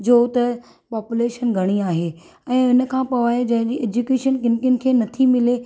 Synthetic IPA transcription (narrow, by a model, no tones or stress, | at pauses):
d͡ʑoːt̪ɐ | paːpuleːʃənɡʱɐɽ̃iaːɦeː | ɛ̃ːʊnə̆kʰãːpɐʋaːed͡ʑɐ̃ɦd͡ʑiʔeːd͡ʑukeːʃənkɪn̆kjʊnɪ̆kʰeːnɐt̪ʰimɪle